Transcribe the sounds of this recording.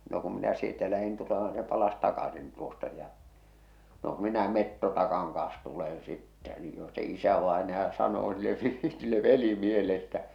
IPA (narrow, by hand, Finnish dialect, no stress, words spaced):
no kum minæ sieltæ læhin tulemɑ ni se pɑlɑs tɑkɑsin tuostɑ jɑ no k minæ metːotɑkɑŋ kɑ̃ːs tulen sitːæ ni jo se isæʋɑenɑjɑ sɑnoː silːe silːe ʋelimiehele etːæ